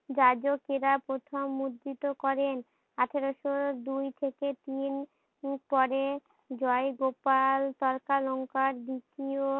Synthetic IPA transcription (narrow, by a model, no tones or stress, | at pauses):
d͡ʑad͡ʑokeɾapɾot̪ʰomːud̪ːit̪okɔɾen | aʈʰeɾoʃod̪ujt̪ʰeket̪in | pɔɾe | d͡ʑɔeɡopalt̪ɔɾkalɔŋkaɾd̪ikio